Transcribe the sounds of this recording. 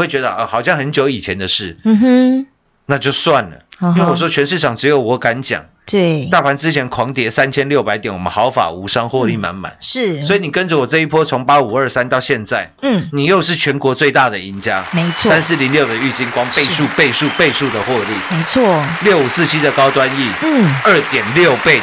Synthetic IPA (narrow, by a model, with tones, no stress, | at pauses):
we˥˩ɪt͡ɕɥɛ˧˥d̪ə˧ʔə˧˩xɑ˨˩ʊɕjɑ˥˩ŋxə˧˦nt͡ɕjo˧˥ʊi˨˩t͡ɕʰjɛ˧˦nd̪ə˨ʂɻ̩˥˩˥ | na˥˧t͡ɕjo˥˧ʊswa˥˩nlə̰˩˦nwe˥˧˩wɔ˨˩ʂwɔ˦˥t͡ɕʰɥɛ˧˥nʂ̬̩˥˩ʈ͡ʂʰɑ˨˩ŋʈ͡ʂɻ̩˧˥jo˧˩ʊwɔ˨˥˩ka˧˦nt͡ɕjɑ̰˨˩˦ŋ | t̪we˥˩t̪a˥˩pʰa˧˥nt͡sɻ̩˥t͡ɕʰjɛ˧˥nkʰwɑ˧˥ŋt̪jɛ˧˥sa˦nt͡ɕʰjɛ˥nljo˥˩ʊpa˧˥ɪt̪jnwɔ˨˩mə̰˦nxɑ˨˧˥ʊfa̰˨˩u˧˥ʂɑ˥ŋxwɔ˥˧li˥˩ma̰˧˦nma̰˨˩˦nʂɻ̩˥˩swɔ˧˥i˨˩ni˨˩kə˦nd͡zə˨wɔ˨˩ʈ͡ʂɤ˥˧i˥˩pʰwɔ˦˥t͡sʰo˧˥ŋpa˥u˨˩ə˞˥˩sa˦nt̪ɑ˥˧ʊɕjɛ˥˧nt͡sa˥˩ɪ˥˩ni˨˩jo˥˧ʊʂɻ̩˥˩t͡ɕʰɥɛ˧˥nkwɔ˧˥t͡swe˥˧ɪt̪a˥˩d̪ə˩i˧˥nt͡ɕja˥me˧˥ɪt͡sʰwssa˦ns̬̩˥˩li˧˥ŋljo˥˩ʊd̪ə˩y˥˩t͡ɕi˥˩nkwɑ˥ŋpe˥˧ɪʂu˥˧pe˥˧ɪʂu˥˧˨pe˥˧ɪʂu˥˩d̪ə˨xwɔ˥˧li˥˩me˧˥ɪt͡sʰwɔ˥˩ljo˥˩ʊu˨˩sɹ̩˥˧t͡ɕʰi˥d̪ə˨kɑ˥ʊt̪wa˦ni˥˩˥ə˞˥˩t̪jɛ˨˩nljo˥˨ʊpe˥˩ɪ